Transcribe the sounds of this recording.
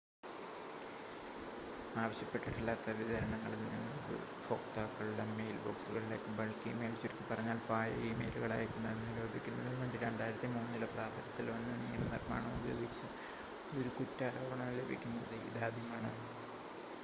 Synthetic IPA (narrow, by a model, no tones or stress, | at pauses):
aːʋɐɕjɐpːeʈːiʈːilːaːt̪ːɐʋiðɐɾɐɳɐŋːɐɭilnḭnːɨoɾɨ̰ | fo̞ːktaːkːɐɭɖemejilbo̞̰ːksuɣɐɭile̞ːkːɨbɐɭkːijɐmeːlt͡ɕoɾikʲːɨpɐrɐɲːaːlpaːjɐ̰jimḛːluɣɐɭaːjikːunːɐðenːɨlo̞ːbʱikʲːunːɐðinʋeːɳɖiɾeːɳɖaːiɾɐt̪ːɨmuːnːilɐpraːbʱɐɾɐt̪ːilʋɐnːɨnːijːɐnenḭrma̰ːɳɐmṵbʱɐjoːɡikt͡ɕːɐ | oɾukutːaːɾoːbɐɳɐmle̞bʱḭkʲːunːɐðɨḭðaːd̪ʱjɐmaːɳɐ